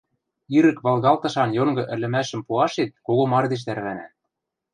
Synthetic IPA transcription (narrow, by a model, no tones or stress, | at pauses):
iɾɘ̆kβɑlˠɣɑlt̪ɤ̆ʃɑnjoŋɡɤ̆ʔɘ̆lʲɘ̆mæʃɘ̆mpuɑʃet̪̚koɣomɑrd̪eʃ̬d̪ærβænæ̰